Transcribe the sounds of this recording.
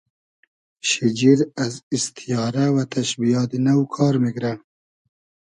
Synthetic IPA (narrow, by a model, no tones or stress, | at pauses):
ʃid͡ʒiɾazist̪ʰijɑːɾawat̪ʰaʃbijɑːt̪inawkʰɑːɾmiɡɾa